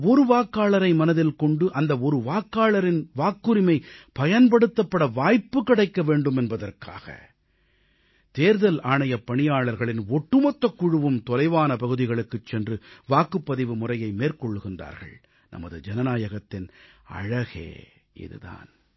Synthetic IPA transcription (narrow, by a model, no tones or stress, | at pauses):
ɔɾɯʋaːkːaːɭɐɾɐɪmɐnɐðɪlkɔɳɖɯʔɐnd̪ɐɔɾɯʋaːkːaːɭɐɾɪnʋaːkːɯɾɪmɐɪpɐjɐnpɐɽɯt̪ːɐpːɐɽɐʋaːjpːɯkːɪɽɐɪkːɐʋeːɳɖɯmɛnbɐðɐrka̰ːɣɐ̰ | t̪eːɾðɐlaːɳɐjɐpːɐɳɪjaːɭɐɾɣɐɭɪnɔʈːɯmɐt̪ːɐkːʊɻɯʋɯmt̪ɔlɐɪʋaːnɐpɐɣɯðɪɣɐɭɯkːɯt͡ʃːɛndrɯʋaːkɯpːɐðɪʋɯmʊrɐjɐɪmeːɾkɔɭːɯɣɪndra̰ːɾɣɐ̰ɭ | nʔɐ̰mɐðɯd͡ʒɐnɐnaːjɐɣɐt̪ːɪnɐ̰ɻɐɣḛː | ʔɪ̰ðɯ̰ða̰ːn